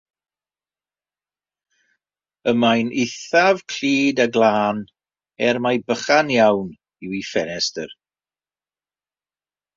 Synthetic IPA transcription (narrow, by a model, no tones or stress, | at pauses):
əmajnɪθavkʰl̥iːdaɡlˠaːn | ɛrmajbəχanjawn | ɪwifɛnɛstər